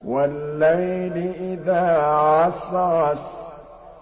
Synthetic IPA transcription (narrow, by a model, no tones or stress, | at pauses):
walːajlɪʔɪðaːʕɑsˤɑs